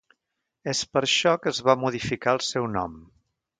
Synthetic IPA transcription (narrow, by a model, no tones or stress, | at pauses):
espəɾʃɔkəːzβamuðifikaəlˠsɛwnɔ̰m